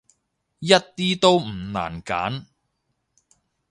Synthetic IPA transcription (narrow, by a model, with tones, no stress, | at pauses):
jɐ˥t̚t̪iː˥t̪o˥wm̩˨˩na̰ː˨˩nka̰ː˨˥n